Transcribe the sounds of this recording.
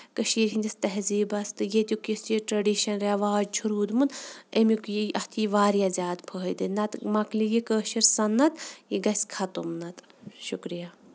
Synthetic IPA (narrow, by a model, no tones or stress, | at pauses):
kəʃiːɾɦinʲd̪ʲɐst̪ɐɦziːbɐst̪ɨjet̪ʲjukisiʈɾɐɖiːʃɐnɾɐʋaːd͡ʒt͡ʃʰuɾuːd̪munemikjʔɐht̪ʰiiʋaːɾijazʲjaːd̪pʰəːjd̪ɨnɐt̪mɐklijikəːʃiɾsɐnːɐt̪jiɡɐsʲkʰɐt̪umnɐt̪ | ʃukɾija